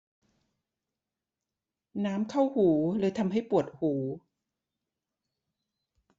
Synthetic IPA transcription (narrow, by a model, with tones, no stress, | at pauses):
naː˦˥mkʰa˥˩whuː˩˦lɤː˧jt̪ʰa˧mɦa˥˩jpu˨˩ət̪̚huː˩˦